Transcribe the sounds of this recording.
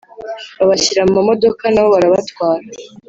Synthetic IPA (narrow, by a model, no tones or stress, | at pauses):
βaβaçiɾamumamo̞do̞kanaβo̞βaɾaβatwaːɾa